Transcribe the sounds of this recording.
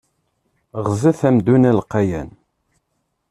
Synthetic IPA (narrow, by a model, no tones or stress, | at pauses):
ʁzæθæmd̪unælqːɑjæn